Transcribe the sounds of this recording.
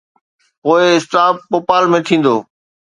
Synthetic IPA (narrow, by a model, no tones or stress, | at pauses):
poːɪɪsʈ̪aːpːoːpaːlmẽt̪ʰĩːn̆d̪o̰ː